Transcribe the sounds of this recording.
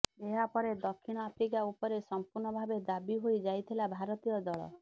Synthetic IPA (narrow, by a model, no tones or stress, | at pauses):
eɦapɔɾed̪ɔkʰːiɽ̃ɔapʰɾikaupɔɾesɔmpuɾɳɔbʱabed̪abiɦojd͡ʒajt̪ʰilabʱaɾɔt̪ijɔd̪ɔɭɔ̰